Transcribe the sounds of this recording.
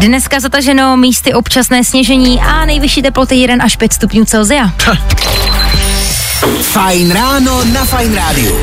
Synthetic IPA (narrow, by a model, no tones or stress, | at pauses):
dnɛskazat̪aʒɛno̞miːst̪ɪʔo̞pt͡ʃasnɛːsɲɛʒɛɲiːʔanɛjvɪʃiːt̪ɛplo̞t̪ɪjɛdɛnʔaʃpjɛt̪st̪upɲuːt͡sɛlzɪa | fajnɾaːnonafajnɾaːdɪṵ